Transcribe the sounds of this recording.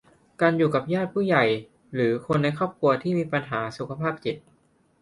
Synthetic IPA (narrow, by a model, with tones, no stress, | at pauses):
kaː˧njuː˨˩ka˨˩p̚jaː˥˩t̪̚pʰuː˥˩ja˨˩j | ɾɯː˩˦kʰo˧nːa˧jkʰɔː˥˩p̚kʰu˧ɐt̪ʰiː˥˩miː˧pa˧nɦaː˩˦su˨˩kʰa˧pʰaː˥˩p̚t͡ɕi˨˩t̪̚